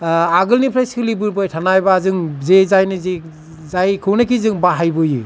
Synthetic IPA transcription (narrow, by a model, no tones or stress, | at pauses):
aɡɯlnipʰɾajsɯlibɯɾbɔjtʰanajbazɯŋzezajnɯze | zajkʰɯwnakizɯŋbaɦajbɯjɯ